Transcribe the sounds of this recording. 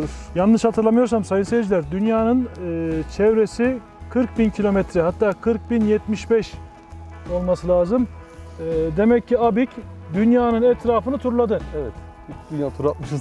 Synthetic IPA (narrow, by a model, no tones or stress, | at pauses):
janːɯʃhat̪ʰɯɾlˠamɯjo̞ɾsamsajɯnsejed͡ʒilʲæɾd̪ynjaːnɯnɯːt͡ʃʰɛvɾesi | kʰɯɾk̚bincʰilʲo̞mɛt̪ʰɾɛɦat̪ːaːkʰɯɾk̚binjɛt̪miʃbɛʃ | o̞lˠmasɯlʲaːzɯm | d̪e̞mɛcːiabicd̪ynjaːnɯnɛt̪ʰɾaːfɯnɯt̪ʰuɾlˠad̪ɯevɛt̪ | bid̪ynjaːt̪ʰuɾat̪̚mɯʃɯz